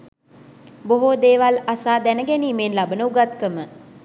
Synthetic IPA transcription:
boɦod̪eːʋalasaːd̪ænəɡɛniːmeːnlabənəuɡat̪kəmə

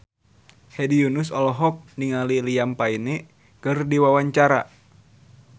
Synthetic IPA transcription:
hɛdiunusɔlɔɦɔk̚niŋalilijampainɛ | kɨrdiwawaɲt͡ʃaɾa̰

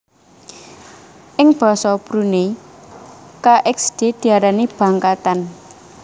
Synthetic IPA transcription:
ʔɪŋb̥a̤sɔb̥ɾune | kaʔɛksd̪̥e̤d̪̥i̤aɾaneb̥ä̤ŋkat̪an

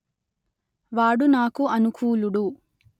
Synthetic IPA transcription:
ʋaːɽunaːkuɐnukuːluɽu

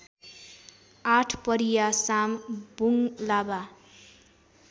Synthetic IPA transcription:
aʈʰpʌɾijasambuŋlaba

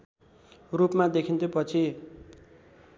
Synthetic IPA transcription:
rupmad̪ekʰint̪ʰopʌt͡sʰi

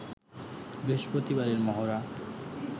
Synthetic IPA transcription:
beʃpɾot̪ibaɾeɾmɔɦoɾa

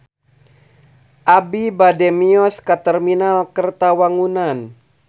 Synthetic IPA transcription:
ʔabibadɛmiɔskat̪ərminalkərt̪awaŋunan

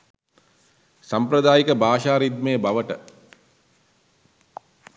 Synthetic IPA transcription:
sampɾɐd̪aːjikəbaːʃaːɾid̪̚mejəbaʋəʈə̰

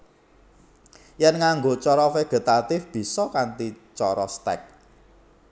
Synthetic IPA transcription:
jɛnŋaŋɡot͡ʃɔɾɔfeɡ̥ə̤t̪at̪ɪfb̥i̤sɔkant̪it͡ʃɔɾɔst̪ɛ̰k̚

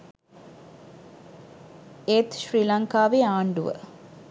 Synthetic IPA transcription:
eːt̪ɕriːlaŋkaːʋeaːɳɖuʋə̰

